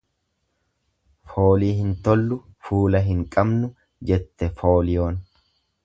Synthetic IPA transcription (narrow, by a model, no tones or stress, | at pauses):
fo̞ːliːhɪnt̪ɔlːʊfuːlɐɦɪŋkʼɐbnʊ | d͡ʒɛt̪ːɛfo̞ːlɪjo̞ːn